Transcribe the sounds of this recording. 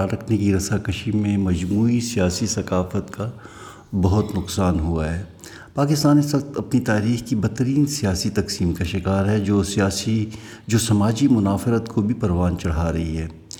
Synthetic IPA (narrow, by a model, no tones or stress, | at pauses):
ɾɐkʰnekiɾɐsakəʃimẽmɐd͡ʒmuːisijaːsisɐkaːfət̪ka | bɐɦʊt̪nʊqsaːnɦuaɦɛː | paːkɪst̪aːnɪswɐk̚t̪ɐpnit̪aːɾiːxkibɐt̪ːəɾiːnsijaːsit̪ɐksiːmkaʃɪkaːɾɦɛoːsaːsi | d͡ʒoːsɐmaːd͡ʒimʊnaːfɪɾət̪kʰobʱipɐɾʋaːnt͡ʃɐɽ̤aɾɐɦiɦɛː